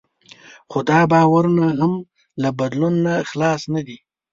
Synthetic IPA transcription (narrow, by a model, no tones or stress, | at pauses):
xod̪ɑbɑwaɾunaɦam | labad̪lunːaxlɑsnad̪i